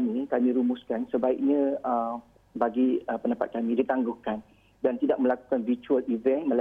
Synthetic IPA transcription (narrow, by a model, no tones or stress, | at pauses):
mĩkamĩɾumʊskansəbaik̚ɲãə | baɡiəpəndapa̰t̪̚kamĩdit̪aŋɡʊhkan | dant̪idaʔ̚mə̃laku̥kanvit͡ʃualivɛnmə̃l